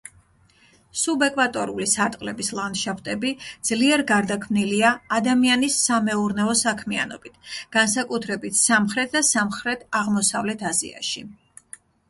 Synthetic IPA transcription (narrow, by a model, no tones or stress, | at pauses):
subɛkʼwat̪ʼɔɾulisaɾt̪ʼqʼlɛbislˠant̪ʃapt̪ʼɛbid̪z̥liɛɾɡaɾd̪akʰmniliaːd̪amianisːamɛuɾnɛɔsakʰmia̰nɔ̰bit̪ʰɡ̥ansakʼut̪ʰɾɛbit̪ʰsamχɾɛt̪̚ʰd̪asamχɾɛt̪ʰaʁmɔsavlɛt̪ʰazḭa̰ʃi